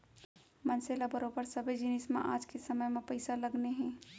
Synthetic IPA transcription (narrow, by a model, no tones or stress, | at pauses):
mɐnseːlabɐɾoːbəɾsɐbʱed͡ʒɪnɪsmḛ̃ʔaːd͡ʒkesɐməjmẽpɐɪsalɐɡneɦɛ̃ː